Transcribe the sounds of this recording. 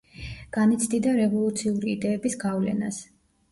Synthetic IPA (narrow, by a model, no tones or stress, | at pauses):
ɡ̥anit̪sʰd̪id̪aɾɛvɔlˠut̪sʰiuɾiːd̪ɛːbisɡavlɛ̰na̰s